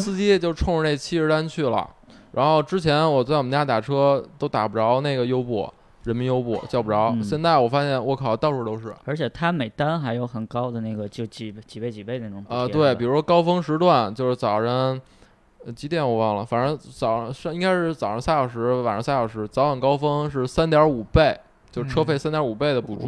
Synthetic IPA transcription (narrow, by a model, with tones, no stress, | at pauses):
sɹ̩˥˧t͡ɕi˥jɛ˥˩t͡ɕjo˧ʊʈ͡ʂʰʊ˥˧ŋɻ̩˧ne˥˩ɡə˧˩t͡ɕʰi˥˧ɻ̩˧˥t̪a˥nt͡ɕʰy˥˩lə̰˩ | ɻa̰˧˥nxo˥˧ʊʈ͡ʂɻ̩˥t͡ɕʰjɛ˧˥nwɔ˨˩t͡sa˥˩ɪwɔ˨mə˦˥nja˥˩t̪a˨˩ʈ͡ʂʰɤ˥t̪o˥ʊt̪a̰˨˩pʈ͡ʂɑ˧˥ʊne˥˩ɪɡə˩jo˥ʊpwɔ̰˨˩ | ɻə˧˥nmi˧˥njo˥ʊpɔ̰˥˨˩t͡ɕjɑ˥˩ʊbu˧˩ʈ͡ʂɑ˧˥ʊɕjɛ˥˧nt͡sa˥˩ɪwɔ˨˩fa˥ɕjɛ˥˩nwɔ˧˥kʰɑ˨˩˥t̪ʊʈ͡ʂʰu˥˩t̪o˥ʊʂɻ̩˥˩ə˞˧˥t͡ɕʰɛ˨˩t̪ʰa˥me˨˩ɪt̪a˥nxa˧˥ɪjo˧˥ʊxə˨˩nkɑ˥ʊd̪ə˨na˥˩ɪɡə˩t͡ɕjo˥˧t͡ɕi˨˩˥t͡ɕi˨˩pe˥˩ɪt͡ɕi˨˩pe˥˧ne˥˩ʊ˨˧ə˧t̪we˥˩ɪpi˨˩ɻu˧˥ʂwɔ˥kɑ˥ʊfɤ˥ŋʂɻ̩˧˥t̪wa˥˩nt͡ɕjo˥˧ʊʂɻ̩˥˩t͡sɑ˨˩ʊɻə˧˥n˧ | t͡ɕi˧˥t̪jɛ˧˥nwɔ˨˩wɑ˥˩ŋlə˩fa˨˩nə˧˥t͡sɑ˨˩ʊ˧˥ʂɑ˥˧i˥ŋka˥ɪʂɻ̩˥˩t͡sɑ˨˩ʊɻə˧˥nsja˥˩jɑ˨˩ʊʂɻ̩˧˥a˨˩nʂɤ˧˥sja˥˩jɑ˨˩ʊʂɻ̩˧˥t͡sɑ˧˥ʊxə˨˩nkɑ˥ʊfɤ˥ŋʂ̬ɻ̩˥˩sa˥nt̪jɑ˧˥u˨˩pe˥˩ɪ | t͡ɕjo˥˧ʊʂʈ͡ʂʰɤ˥fe˥˩ɪsa˥nt̪jɑ˧˥u˨˩pe˥˩ɪd̪ə˩pu˨˩ʈ͡ʂu˥